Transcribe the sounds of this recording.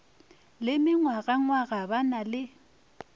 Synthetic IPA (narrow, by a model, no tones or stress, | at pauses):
lɪmɪŋwaɣaŋwaɣabanalɪ